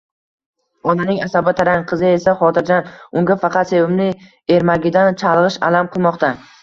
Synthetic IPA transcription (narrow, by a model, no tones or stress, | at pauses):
ɒnanɪŋasabɪt̪ʰaɾaŋqʰɨzɪe̞saχɒt̪ʰɪɾd͡ʒanʊŋɡʲafɑqʰɑt̪se̞vɪmnɪ | e̞ɾmaɡʲɪd̪ant͡ʃʰɑlˠʁɨʃa̰lamqʰɨlˠmɒqt̪a